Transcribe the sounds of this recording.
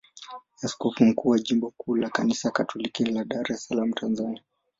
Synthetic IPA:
askɔfum̩kuːwaʄimbɔkuːlakanisakatʰɔlikilaɗaɾɛsalam̩tʰanzania

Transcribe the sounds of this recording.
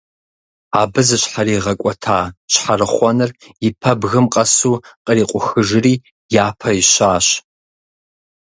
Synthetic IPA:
aːbɨzɨɕħaɾiːʁɐkʷʼɔtʰaːɕħarɨχʷɔnɨr | ɪpʰɐbɣɨmqʼɐsuːqʼəriːqʷʼʊxɨʒɨriː | jaːpʰɐiɕaːɕ

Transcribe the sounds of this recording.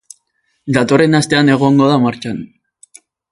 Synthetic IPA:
d̪at̪o̞re̞nast̪e̞ane̞ɣ̞o̞ŋɡo̞ðamaɾt͡ʃan

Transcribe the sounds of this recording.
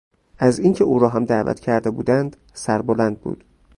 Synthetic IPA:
ʔæziːŋcʰeuːɾɒːɦæmd̪æːvæ̰t̪ʰcʰæɾd̪ebṵːd̪ænd̪̥ | sæɾbolænd̪̚bṵːd̪̥

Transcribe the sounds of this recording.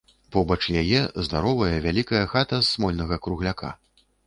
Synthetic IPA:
pɔbɐt͡ʂjajɛzd̪aɾɔvɐjɛvʲalʲikɐjɐxat̪ɐsːmɔlʲnɐɣɐkɾuɣlʲakʰa̰

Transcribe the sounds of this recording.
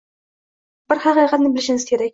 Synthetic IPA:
b̥ɪɾχɑqɨjqʰɑt̪nɪbɪlɪʃɪŋɪz̥kʲʰe̞ɾak̚ʲ

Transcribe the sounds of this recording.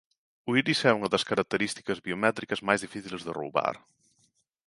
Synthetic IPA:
uiɾisɛuŋɐðɐskɐɾɐk̚t̪eɾist̪i̥kɐzβiomɛt̪ɾikɐzmajzðifiθilzðɪro̰wβa̰ɾ

